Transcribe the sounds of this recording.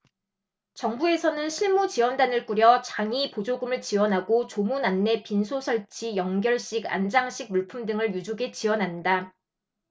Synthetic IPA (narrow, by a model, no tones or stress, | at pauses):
t͡ɕʌŋbue̞sʰʌnɯnɕʰiɭmut͡ɕiwʌndanɯɭk͈uɾjʌt͡ɕaŋipod͡ʑoɡumɯɭt͡ɕiwʌnɦaɡot͡ɕomunanːe̞pinsʰosʰʌɭt͡ɕʰijʌŋɡjʌɭɕ͈iɡa̰nd͡ʑaŋɕ͈iɡ̚muɭpʰumdɯŋɯɭjud͡ʑuɡe̞t͡ɕiwʌnɦanda